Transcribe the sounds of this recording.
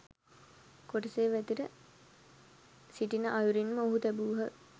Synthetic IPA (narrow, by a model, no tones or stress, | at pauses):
koʈiseːʋæt̪iɾə | siʈinəʔajuɾinməoɦut̪æbuːɦə